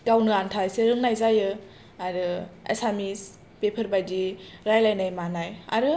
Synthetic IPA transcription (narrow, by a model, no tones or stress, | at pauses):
ɡawnɯantʰajseɾɯŋnajzajɯ | aɾɯḛsamis | pepʰəɾbajdiɾajlajnajmanaja̰ɾɯ